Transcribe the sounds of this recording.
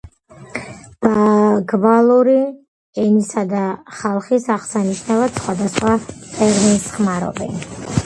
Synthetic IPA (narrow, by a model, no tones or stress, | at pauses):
b̥aɡbalˠuɾi | ɛnisad̪aχalˠχisaʁsaniʃnavat̪sχwad̪asχwat̪ʼɛɾminsχmaɾɔ̰bɛ̰n